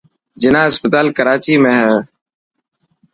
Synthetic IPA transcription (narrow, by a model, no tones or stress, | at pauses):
d͡ʒɪnãːɦɪspət̪aːlkəɾaːt͡ʃiːmẽːɦɛː